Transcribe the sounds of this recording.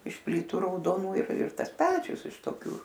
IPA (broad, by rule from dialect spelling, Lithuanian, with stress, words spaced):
ɪʃ ˈpʲlʲiːtʊ rɐʊdoːˈnuː ɪr ɪr ˈtɐs ˈpʲæːt͡ʃʲʊs ɪʃ toːˈkʲuː